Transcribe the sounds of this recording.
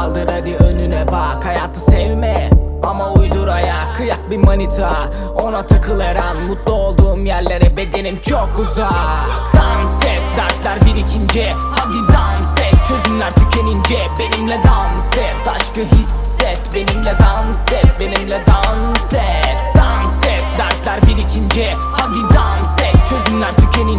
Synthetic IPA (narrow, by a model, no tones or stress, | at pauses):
lˠd̪ɯɾad̪iønynɛbakhajaːt̪ʰɯsɛvmɛamaujd̪uɾajakʰɯjak̚bimanit̪ʰa | o̞nat̪ʰakʰɯlˠaɾanmut̪lˠuo̞lˠd̪uːmjæɾlʲe̞ɾɛbed̪e̞nimt͡ʃʰokʰːuzad̪̥ansɛfzæɾt̪lʲæɾbiɾicʰind͡ʒɛ | ad̪iansɛt͡ʃʰøzymlʲæɾt̪ʰycʰe̞nind͡ʒɛbenimlʲɛd̪amsɛbaʃkɯɦisːɛt̪be̞nimlʲɛd̪amsɛt̪̚be̞nimlʲɛd̪ansɛd̪ansɛt̪d̪aɾt̪lʲæɾbiɾicʰind͡ʒɛ | had̪id̪ansɛt͡ʃʰøzymlʲæɾt̪ʰycʰenin